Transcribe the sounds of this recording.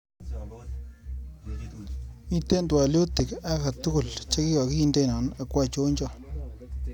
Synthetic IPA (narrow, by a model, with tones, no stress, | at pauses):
mi˦te˦ntwa˨ljo˦tɪ˨ka˦ka˨tʊ˦kʊ˨lt͡ʃa˦ki˦jɔ˨ki˦i˨nde˦˨nɔ˨na˨kwa˦˨t͡ʃo˦ɲt͡ʃɔ˦